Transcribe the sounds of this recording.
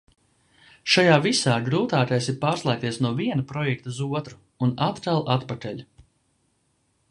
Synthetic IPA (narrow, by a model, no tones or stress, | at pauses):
ʃajaːvisaːɡɾuːt̪aːk̪ajsiɾpaːɾslˠaːk̚t̪iɛsnuɔviɛnupɾɔjɛk̚t̪uzuɔt̪ɾuːnat̪k̪alˠʔat̪pat̪ɛʎʲu